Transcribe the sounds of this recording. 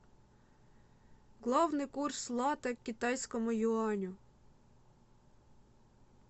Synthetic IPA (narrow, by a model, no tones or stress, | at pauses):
ɣlˠɑwnɪjkurslˠɑt̪ɛkʲːit̪ɑjsʲkɔmʊjʊɑnʲʊ